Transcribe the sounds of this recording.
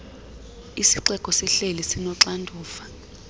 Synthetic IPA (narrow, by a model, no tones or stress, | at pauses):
isiǀɛkʼɔsiɬelisinɔǁandʱuːfḁ